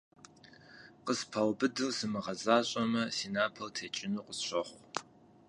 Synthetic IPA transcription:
qəspʰɐwbɨdɨwsɨmɨʁɐzaːɕʼɐmɐsiːnaːpʰɐltʰet͡ʃʼɪnuːqəsɕʷɐχʷ

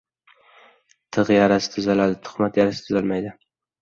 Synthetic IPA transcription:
t̪ʰɨʁjaɾasɪ̥t̪ʰʊzalad̪ɪt̪ʰʊ̥χmat̪jaɾasɪ̥t̪ʰʊzalmajd̪ɪ

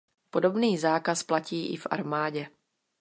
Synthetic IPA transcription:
po̞do̞bniːzaːkasplaciːʔɪ̰fʔa̰ɾmaːɟɛ

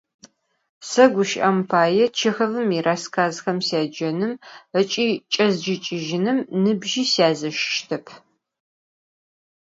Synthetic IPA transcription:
sɐɡʷʊʃʔɐmpʰaːjɛt͡ʃʰɪxɐvɨmiraːskʰaːzxɐmsjaːd͡ʒɐnɨmət͡ʃʼiːt͡ʃʼɐzd͡ʒɪt͡ʃʼɪʒɪnɨmnɨbʒiːsjaːzɐʃʃtʰɐpʰ

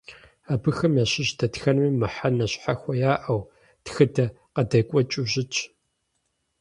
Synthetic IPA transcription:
aːbɨxɐmjaːɕɪʑdɐtxɐnmiːmɨħanɐɕħaxʷɐjaːʔɐw | txɨdɐ | qɐdɐkʷʼɔt͡ʃʼuʒɪt͡ʃʰʼ

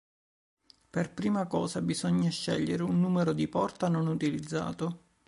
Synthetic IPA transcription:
perpɾiːmakɔːsabizɔɲːaʃːɛʎːeɾeunːuːmeɾod̪ipɔrt̪anonut̪ilid̪zːa̰ːt̪o

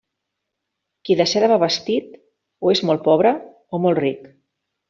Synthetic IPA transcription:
kiðəsɛɾaβaβəst̪it̪ | oezmɔl̚ˠpɔβɾə | omɔlˠrik

